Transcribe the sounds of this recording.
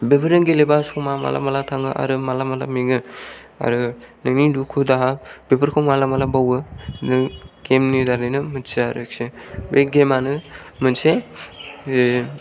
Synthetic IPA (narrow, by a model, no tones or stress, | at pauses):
bebʰɯɾɯnɡelebaskʰɔmama̰lʔa̰malatʰaŋɯʔa̰ɾɯmalamala̰meɡɯa̰ɾɯnɯnidukʰudaɦab̥ebʰɯɾkʰɔmalamalabawɯnɯɡemnidaɾɯjnɯmɯnseaɾɯk̚sebeɡemanɯmɯnse